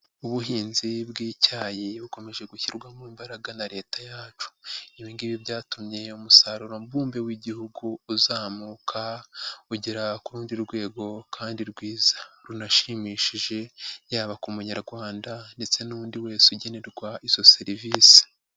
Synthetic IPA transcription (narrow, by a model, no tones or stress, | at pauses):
uβuɦiːnzibɡiːcaːjiβuko̞me̞ʒe̞ɡuçiɾɡwamwiːmbaɾaɡanaɾe̞ːtajaːt͡ʃu̥iβiːŋɡiβibɟaːtumɲe̞umusaɾuɾo̞mbuːmbe̞wiɟihuɡuːzaːmuːkʰauɟiɾakuɾuːndiɾɡwe̞ːɡo̞kʰaːndiɾɡwiːzaɾunaʃimiːʃiʒe̞jaːβakumuɲaɾɡwaːndande̞t͡se̞nundiwe̞ːsuɟe̞ne̞ɾɡwaizo̞se̞ɾiviːsi̥